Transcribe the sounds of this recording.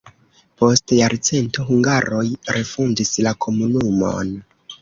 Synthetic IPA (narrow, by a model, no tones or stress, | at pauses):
po̞stjaɾt͡se̞ntoɦuŋɡaɾo̞jɾe̞fund͡ʒislakʰo̞munumo̞̰n